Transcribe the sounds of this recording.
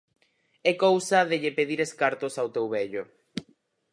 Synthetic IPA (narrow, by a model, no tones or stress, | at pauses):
ɛkowsɐðeʎepeðiɾeskaɾt̪ʊsawt̪ewβɛʎʊ